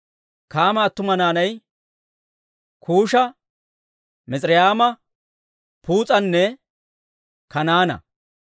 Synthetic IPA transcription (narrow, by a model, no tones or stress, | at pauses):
kaːmɐːt̪ːʊmɐnaːnɐj | kʰuːʃɐ | mɛt͡sʼɾɪjaːmɐ | puːt͡sʼɐnːɛ | kɐnaːnɐ̰